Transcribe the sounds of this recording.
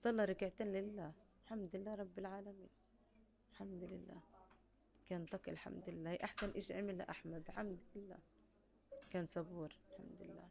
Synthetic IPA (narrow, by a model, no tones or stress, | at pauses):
sˤɑlːɑɾˤɑkɪʕt̪aːnlɪlːaː | ħamd̪lɪlːaːɾˤɑbːɪlʕaːlamḭːn | ħamd̪lɪlːæ̰ː | kæːnt̪ˤɑkilħa̰md̪lɪlːaːhiʔaħsanʔeːʃʕamɪlaʔaħmad̪lħamd̪lɪlːæ̰ː | kæːnsˤɑbuːɾħa̰md̪ʊɪlːa̰ː